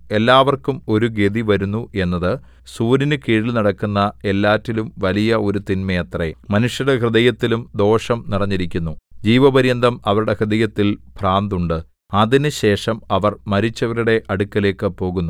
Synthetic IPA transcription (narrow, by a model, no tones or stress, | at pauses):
e̞lːaːʋɐrkumo̞ɾuɡed̪iʋɐɾunːuʔe̞nːɐðɨ | suːɾinɨkiːɻilnɐɽɐkːunːɐe̞lːaːtːilumʋɐlijɐo̞ɾut̪inmɐjɐt̪remɐnuʂjuɽekrɨðɐjɐt̪ːilumd̪o̞ːʂɐmniɽɐɲːiɾikʲːunːud͡ʑiːʋɐbɐɾjɐnd̪ʱɐmɐʋɐɾuɽe̞krɨd̪ɐjɐt̪ːilpraːnd̪uɳɖɨ | ɐðinɨɕe̞ːʂɐmɐʋɐrmɐɾit͡ɕːɐʋɐɾiɽe̞ʔɐɽukːɐle̞ːkːɨpo̞ːɣunːu